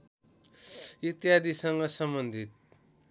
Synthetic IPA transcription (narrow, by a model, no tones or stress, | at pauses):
it̪jad̪isʌŋɡʌsʌmbʌnd̪ʱit̪̚